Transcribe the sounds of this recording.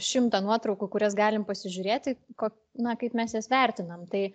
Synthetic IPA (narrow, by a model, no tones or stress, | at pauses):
ʃʲɪmt̪ɐnuɔt̪ɾɒʊkʊkʊɾʲɛs̬ɡɑːlʲɪmpɐsʲɪʒʲʊɾʲeːt̪ʲɪkoː | nɐkɐɪpmʲɛsjɛsʋʲɛˑɾʲt̪ʲɪnɐmt̪ɐɪ